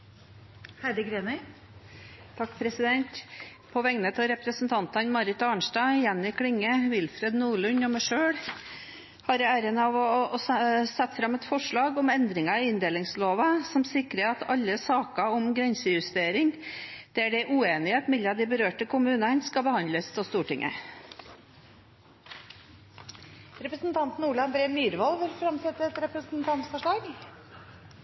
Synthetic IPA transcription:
hæɾɪɡɾeːmə | t̪ʰɑkːpʰɾɛsɪd̪ɛnt̪ | pʰɔʋɛŋnət̪ʰɑɾɛpɾəsnt̪ʰɑnt̪ɑnmɑɾɪt̪ɑːɳʂʈɑɪjɛnːɪkʰɽɪŋːəʋɪlfɾɛd̪nuːɭʉɲɔmæʂøːɽ | hɑɾɛæːɾənəɑʋɔ | sɛt̪ːfɾɑmːɛt̪fɔʂɭɑːɡɔmɛnd̪ɾɪŋɑɪɪnd̪eːlɪŋsloːʋəsɔmsɪkɾəɑt̪ʰɑlːəsɑːkɑɔmɡɾɛnsəjʉst̪eːɾɪŋd̪̥ɛæɖɛʔʉːeːnɪeːt̪mɛlɑd̪ɪbəɾøːʈəkʰʊmʉːnənskɑbəhɑnd̪ləst̪ʰɔst̪uːʈɪŋʔə̰ | ɾɛpɾəsnt̪ʰɑnt̪n̩uːɭɑnbɾeːmyːɾʋɔlʋəlfɾɑmsɛt̪ːəɾɛt̪ɾɛpɾəsnt̪ʰɑnt̪fɔʂɭɑːɡ

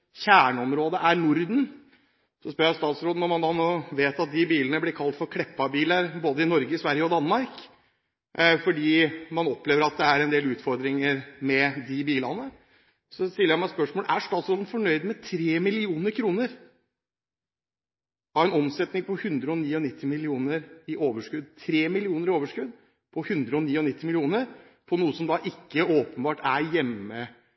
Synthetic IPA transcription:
çæːɳəɔmɾoːd̪əʔæɾnʊɾd̪n | sɔspœɾəjæst̪ɑːt̪sɾoːd̪nɔmɑnd̪ɑːnoːʋeːt̪ɑt̪̚d̪ɪbiːlənəblɪkʰɑlt̪fɔɾkʰɽɛpːɑbiːləɾboːd̪əɪnɔɾɡəɪsʋæɾjəɔd̪ɑnmɑɾk | fɔɖiːmɑnɔpːleːʋəɾɑt̪̚d̪ɛæɾɛnd̪eːlʉːt̪fɔɾd̪ɾɪŋəɾmɛd̪ɪbiːlɑnə | sɔst̪ɪləjæmɑɛt̪spœʂmoːlʔæʂt̪ɑːt̪sɾoːlənfɔɳœʏd̪mɛt̪ʰɾeːmɪlɪuːnəɾkʰɾuːnəɾ | ɑʋɛnɔmsɛt̪nɪŋpʰɔhʉnd̪ɾəɔniːɔnɪt̪ʰːɪmɪlɪuːnəɾɪʔoːʋəʂkʉd̪̚t̪ʰɾeːmɪlɪuːnəɾɪoːʋəʂkʉd̪ | pʰɔhʉnd̪ɾəɔniːɔnɪt̪ːɪmɪlɪuːnəɾ | pʰɔnuːəsɔmd̪ɑːʔɪkːəoːpənbɑːʈæɾjɛmːə

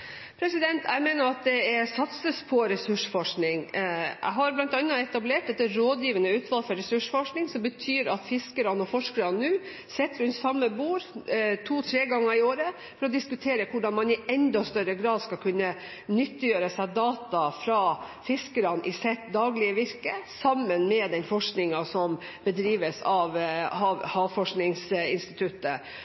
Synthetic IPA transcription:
pʰɾɛsɪd̪ɛnt̪ʰæɪmeːnəɾɑt̪̚d̪ɛɛɾsɑt̪səspʰɔɾɛsʉʂfɔʂknɪŋæ̰ɪɦɑɾblɑnt̪ɑnːəɛt̪ɑbleːʈd̪ɛt̪ːəɾoːd̪jiːʋənəʉːt̪ʰʋɑlfɔɾɛsʉʂfɔʂknɪŋsɔmbət̪ʰyːɾɑt̪fɪskəɾɑnɔfɔʂkəɾɑnnʉː | sɛt̪ːɾʉnt̪sɑmːəbuːɾt̪ʰuːt̪ʰɾeːɡɑŋːəɾɪoːɾə | fɔɾɔd̪ɪskʉt̪ʰeːɾəkʰʊɖɑnmɑnɪɛnd̪ɔst̪œɾəɡɾɑːd̪skɑlkʰʉnːə | nʏt̪ːɪjøːɾəsæd̪ɑːt̪ɑfɾɑfɪskəɾɑnʔɪsɛt̪d̪ɑːɡlɪəʋɪɾkəsɑmːənmɛd̪ɛnfɔʂknɪŋɑsɔm | b̥əd̪ɾiːʋəsɑʋhɑʋhɑːʋfɔʂknɪŋsɪnst̪ɪt̪ʰʉt̪ːə

